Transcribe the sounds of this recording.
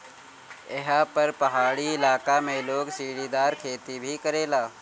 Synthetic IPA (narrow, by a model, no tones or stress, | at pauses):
ɛɦapəɾpɐɦaːɽiɪlaːkamẽloːɡsiːɽid̪aːɾkʰeːt̪ibʱikəɾeːlaː